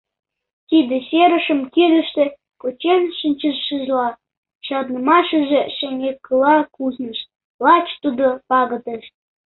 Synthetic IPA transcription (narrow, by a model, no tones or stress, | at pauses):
t̪id̪ĕseɾə̆ʃə̆mkiɾə̆ʃt̪e | kot͡ɕenʃənʲt͡ɕəʃəʒlɑ | ɕɑd̪nə̆mɑʃə̆ʒĕʃĕŋʲekːəlɑkuznə̆ʃ | lɑt͡ɕt̪ud̪opɑɣə̆t̪eʃ